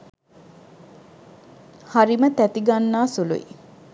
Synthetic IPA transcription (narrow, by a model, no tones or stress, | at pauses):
haɾimət̪æt̪iɡanːaːsulṵḭ